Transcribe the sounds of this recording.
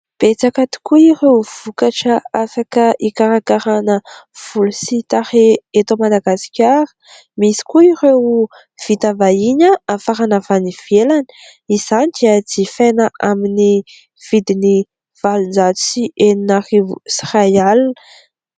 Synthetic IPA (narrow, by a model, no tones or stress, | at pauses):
b̥et͡sakat̪i̥kuirewv̥ukaʈ͡ʂəafakəikaɾakaɾanəv̥ulusit̪aɾeet̪omad̪aɡasi̥kʲaɾə̥ | misi̥kuirew | v̥it̪avaiɲəafaɾanavaniv̥elanə̥ | iz̥anid̪̥iəd͡zifejnəʔamini | v̥id̪ini | v̥alund͡ʒat͡su̥siʔeninarivuisrajalnə̥